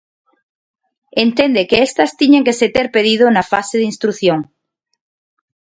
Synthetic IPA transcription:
ent̪end̪ekeest̪ast̪iɲeŋkeset̪eɾpeð̞ið̞onafaseð̞inst̪ɾuθjoŋ

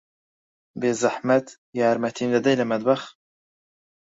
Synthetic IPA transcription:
beːzɐħmɐt̪ | jaːɾmɐt̪ʰiːnd̪ɐd̪ɐjlɐmɐd̪̚bɐx

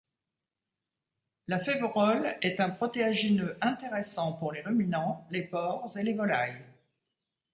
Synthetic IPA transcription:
lafevʁɔlɛt̪ɛ̃pχɔt̪eaʒinøʔɛ̃t̪eʁesɑ̃puʁleʁəminɑ̃lepɔʁzelevɔlaj

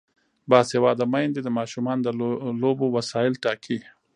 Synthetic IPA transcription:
bɑːshewɑːd̪amajnd̪id̪əmɑːʃumɑnd̪əlobowasɑɪlʈɑkʰi

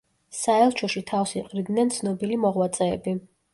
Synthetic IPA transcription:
saɛlˠt͡ʃʰɔʃit̪ʰafsiqʼɾid̪nɛnt̪sʰnɔbilimɔʁwat̪sʼɛːbi

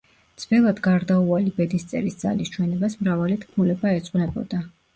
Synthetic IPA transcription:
d̪z̥bɛlˠad̪ɡaɾd̪aualibɛd̪ist̪sʼɛ̰ɾisd̪z̥a̰list͡ʃʰwɛnɛbasmɾavalit̪ʰkʰmulɛbaɛt̪sʼqʼnɛbɔ̰d̪a

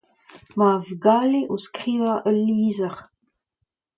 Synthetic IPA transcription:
mavɡaːleʔoskχiːvaʔəlːiːzəʁ

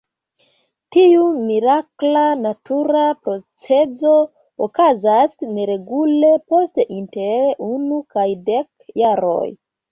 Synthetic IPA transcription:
tiumiɾaklanatuɾapɾo̞t͡se̞d͡zo̞ | okazasne̞ɾe̞ɡule̞po̞stinteɾunukajde̞k̚jaɾo̞̰j

